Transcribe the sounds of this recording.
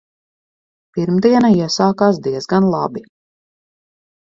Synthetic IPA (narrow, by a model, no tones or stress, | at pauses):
piɾmd̪iɛnaiɛsaːkaːs̬d̪iɛzɡanlˠabi